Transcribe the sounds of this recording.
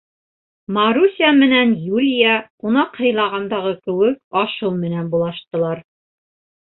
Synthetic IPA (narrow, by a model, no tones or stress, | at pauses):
mɑɾusʲiamɘ̆nænjulʲijɑunɑqhɤ̆jlˠɑʁɑnd̪ɑʁɤkɘ̆wɘk̚ɑʃɤlˠmɘ̆nænbulˠɑʃt̪ɤ̆lˠɑɾ